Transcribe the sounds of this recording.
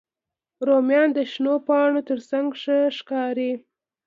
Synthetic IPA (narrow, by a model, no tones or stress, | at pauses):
ɾomjɑnd̪əʃnopɑɳot̪əɾsaŋɡʂəʂkɑɾi